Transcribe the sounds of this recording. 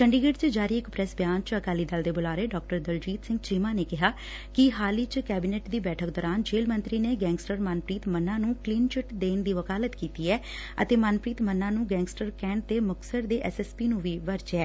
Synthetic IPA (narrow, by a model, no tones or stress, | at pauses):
t͡ʃəɳɖiːɡeɖt͡ʃəd͡ʒaːɾiːɪkpɾɛːsbjaːnt͡ʃəkaːliːd̪əld̪eːbʊlaːɾeːɖɔːk̚ʈəɾd̪əld͡ʒiːt̪sɪ̃ŋɡt͡ʃiːmãːneːkɪɦaː | kɪɦaːliːt͡ʃkɛːbɪneːʈd̪iːbɛːʈʰəkd̪ɔːɾaːnd͡ʒeːlmə̃nt̪ɾiːneːɡɛ̃ːŋɡsʈəɾmanpɾiːt̪mənːãːnũːkliːnt͡ʃɪʈd̪eːnd̪iːʋəkaːlət̪kiːt̪iːɛː | ə̰t̪eːmənpɾiːt̪mənːãːnũːɡɛ̃ːŋɡsʈəɾkɛ̃ːɳ̚t̪eːmʊksəɾd̪eːʔɛsɛːspiːnũːʋiːʋəɾt͡ʃɛː